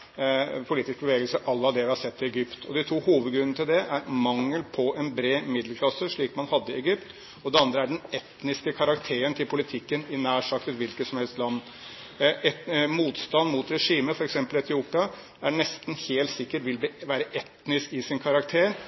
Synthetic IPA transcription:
pʰʊliːt̪ɪsk̚bəʋeːɡəlsəʔɑlːəɑd̪ɛʋɪhɑsɛt̪ːɪɛɡʏpt̪ʰɔd̪ɪt̪ʰuːhuːʋəd̪ɡɾʉnnət̪ɪld̪ɛʔæɾmɑŋːəlpʰɔɛnbɾeːmɪd̪lkʰlɑsəʂɭiːkmɑnhɑd̪ːəɪɛɡʏpt̪ | ɔd̪ɛɑnd̪ɾəæɖɛnɛt̪nɪskəkʰɑɾɑkt̪ʰeːɾənt̪ʰɪlpʰʊlɪt̪ʰɪkːənɪnæːʂɑkt̪ət̪ʋɪlkət̪sɔmhɛlst̪lɑnː | muːt̪st̪ɑnːmʊt̪ɾɛʂiːməfɔɾɛksɛmpəlɛt̪ʰɪuːpɪɑ | æɳɛst̪n̩heːlt̪sɪkːəʈʋɪlbʋæːɾəʔɛt̪nɪskɪsɪnkʰɑɾɑkt̪ʰeːɾ

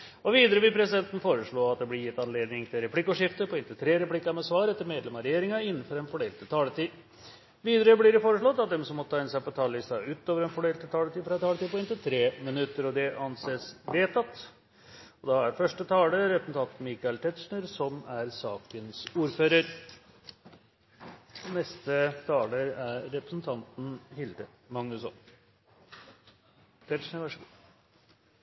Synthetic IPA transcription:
ɔʋiːd̪əɾəʋɪlpʰɾɛs̬ɪd̪ɛnt̪n̩foːɾəʂɭoːɑt̪̚d̪ɛblɪɾjɪt̪ːɑnleːd̪nɪŋt̪ʰɪlɾɛpʰlɪkːɔʂɪft̪əpʰɔɪnt̪əlt̪ʰɾeːɾɛplɪkːɑmɛsʋɑːɾɛt̪ːəɾmeːd̪lɛmɑɾɛjeːɾɪŋɑɪnːənfɔɾɛnfɔɖeːlt̪ʰɪt̪ʰɑːlət̪iː | ʋiːd̪əɾəblɪɾɛfoːɾəʂɭɔt̪ːɑt̪̚d̪ɛmsɔmːɔt̪t̪ʰɑːɪnəsæɪpɔt̪ʰɑːllɪst̪ɑʉːt̪oːʋəɾɛnfɔɖeːlt̪ʰɪt̪ʰɑːlət̪iːfɾɑt̪ɑːlət̪iːpɔɪnt̪ɪlt̪ʰɾeːmɪnʉt̪ːəɾɔd̪ɛʔɑnseːsʋeːt̪ɑt̪ː | ɔd̪ɑæɾfœʂʈət̪ʰɑːləɾɛpɾəsn̩t̪ɑnt̪nmiːkɑɪlt̪ʰɛt̪ʂɳəɾsɔmæɾsɑːkənsuːɾføːɾəɾ | ɔnɛst̪ət̪ʰɑːləɾæɾɾɛpɾəsn̩t̪ʰɑnt̪n̩hɪld̪ə | mɑŋnʉsɔ̰n | t̪ʰɛt̪ʂnəɾʋæʂəɡu

